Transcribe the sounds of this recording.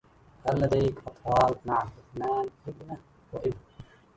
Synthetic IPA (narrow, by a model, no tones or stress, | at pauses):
kalːad̪ajkʔɑt̪ˤfɑːlmaʕaħʊtnaːnʔɪbna | waʔɪbna